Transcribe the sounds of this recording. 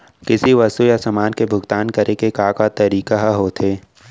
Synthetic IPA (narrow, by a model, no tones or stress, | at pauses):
kɪsiʋɐst̪ujasɐmaːnkebʱʊɡt̪aːnkɐɾʔekekaːkat̪ɐɾiːkaɦɦot̪ʰeː